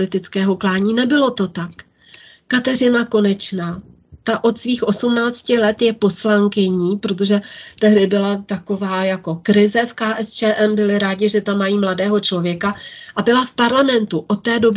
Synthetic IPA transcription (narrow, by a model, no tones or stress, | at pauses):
ɪt̪ɪt͡skɛːɦo̞klaːɲiːnɛbɪlo̞t̪o̞t̪ak | kat̪ɛr̝ɪnako̞nɛt͡ʃnaː | t̪aʔo̞t̪sviːxʔo̞sumnaːt͡scɪlɛt̪jɛpo̞slaŋkɪɲiːpɾo̞t̪o̞ʒɛt̪ɛɦdɪbɪlat̪ako̞vaːjako̞kɾɪzɛfkaːʔɛst͡ʃɛːʔɛmbɪlɪɾaːɟɪʒɛt̪amːajiːmladɛːɦo̞t͡ʃlo̞vjɛkaʔabɪlafpaɾlamɛnt̪uʔo̞t̪ːɛːdo̞b